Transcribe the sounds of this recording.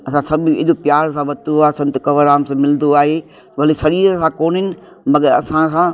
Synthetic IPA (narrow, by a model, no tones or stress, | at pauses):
ɐsãsɐbʱɪɪ̰ʄopjaːɾs̬ãʋɐt̪oaːɦesɐ̃nt̪ʊkɐʋəɾaːmsãmɪlnd̪oaːɦeː | ʋɐlisɐɾiːɾsãkoːñɪnɪ̆ | mɐɡəɾɐsãsã